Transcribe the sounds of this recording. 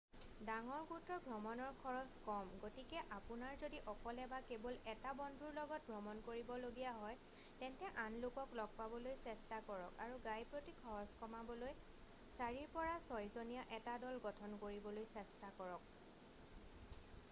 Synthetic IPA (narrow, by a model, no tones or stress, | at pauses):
daŋɔɹɡutɹɔbʱɹɔmɔnɔɹkʰɔɹɔskɔmɡotikɛʔapʊnaɹzodiʔɔkɔlɛbakebɔlɛtabɔndʱuɹlɔɡɔt̚bʱɹɔmɔnkoɹibɔloɡijaɦɔj | tɛntɛʔanlokɔklɔɡ̚pabɔlojsɛstakɔɹɔkaɹuɡajpɹotikʰɔɹɔskɔmabɔloj | saɹiɹpɔɹasɔjzonijaʔɛtadɔlɡɔtʰɔnkoɹibɔlojsɛstakɔɹɔk̚